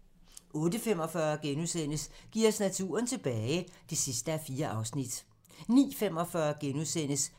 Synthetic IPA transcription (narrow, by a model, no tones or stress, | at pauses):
ʔɔ̽ːd̥əfem̰ɒfɶɐɡ̥enuðˠsen̰əsɡ̥iɐ̰snæt͡sʰṵːɐnt͡sʰe̝b̥ɛːɪd̥e̝sisd̥əæfiːɐʔɑ̈ʊsnid̥ | nḭːfem̰ɒ̽fɶɐɡ̥enuðˠsen̰əs